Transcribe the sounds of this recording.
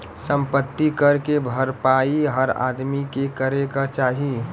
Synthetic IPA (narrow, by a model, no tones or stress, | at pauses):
səmpət̪ːikəɾkebʱəɾpaiɦəɾa̰d̪mikekəɾekat͡ʃaːɦi